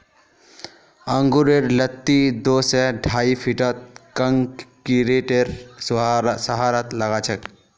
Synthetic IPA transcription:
əŋɡuɾeɾlət̪ːid̪oːsɛɖʱaːipʰiʈət̪̚kəŋkkiɾeʈeɾ | səɦaːɾət̪ləɡat͡ʃʰək

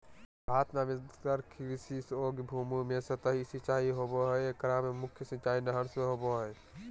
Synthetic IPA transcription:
aːt̪namikəɾkʰiɾsisoːɡbʱuːmumẽsɐt̪əɦisit͡ʃaːɦiɦoːboɦəjekɾaːmemʊkʰjəsə̃t͡ʃaːinɐɦənsmeɦoːboɦəe

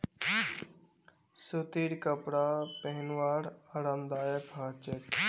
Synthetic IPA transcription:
sut̪iɾkəpɽapeɦnwaːɾaɾəmd̪aːjəkɦat͡ʃet̪

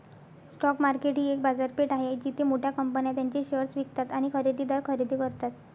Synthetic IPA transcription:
sʈɔkmaɾkeʈĩːek̚bad͡zaɾpeʈaɦed͡ʑit̪ʰemoʈʰjakəmpənjat̪jaɲt͡ɕeɕəɾsʋikt̪at̪aɽ̃ikʰəɾid̪ʱiːd̪aɾkʰəɾid̪ʱiːkəɾt̪at̪

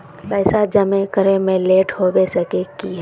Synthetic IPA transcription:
pɛːsad͡ʒɐmẽkəɾẽmẽleːʈhobesəkekiɦɛ

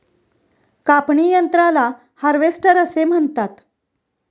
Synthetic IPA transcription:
kapɳijənt̪ɾala | həɾʋesʈəɾəsem̤əɳt̪at̪

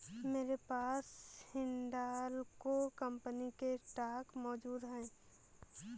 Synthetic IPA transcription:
meːɾepaːshɪɳɖaːlkokəmpənikeʈaːkmɔːd͡ʒuːd̪ɦɛ̃ː

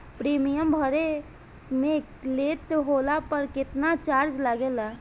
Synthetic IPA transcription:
pɾimijəmbʱəɾe | me | let̪ɦolapəɾkɪt̪nat͡ʃaɾd͡ʒlaɡela

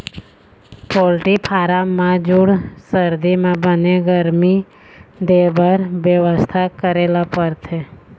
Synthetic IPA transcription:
polʈipʰaːɾamːãd͡ʒuɽsəɾd̪imãbəneɡəɾmi | d̪ebʱəɾʋjəʋəst̪ʰakəɾelapəɾt̪ʰe

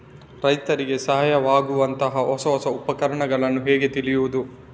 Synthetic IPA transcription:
ɾɐjt̪ɐɾiɡe̞sɐɦajɐʋaːɡuʋɐnt̪ɐɦɐɦɔsɐɦɔsɐupɐkɐɾɐɳɐɡɐɭɐnːuɦeːɡe̞t̪ilijuʋud̪u

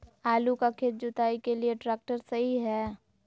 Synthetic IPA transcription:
aːlukakʰeːt̪̚d͡ʒʊt̪aːikelieʈɾeːk̚ʈəɾsɐɦiɦɛː

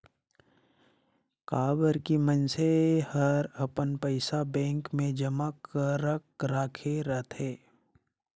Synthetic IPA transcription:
kaːbəɾkimənsehəɾɐpənpəɪsabɛ̃ːŋkmẽd͡ʒəmakəɾəkɾaːkʰeɾət̪ɦeː

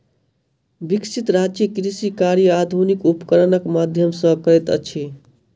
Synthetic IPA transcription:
biksit̪ɾat͡ʃikɾisikaɾjəad̪ʱunikupkəɾənəkmad̪ʱjəmsə̃kəɾɛt̪ə̰t͡ʃʰi

